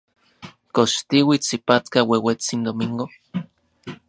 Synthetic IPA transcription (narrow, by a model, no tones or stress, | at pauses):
koʃt̪iwit͡sipat̪kawewet͡sind̪omiŋɡo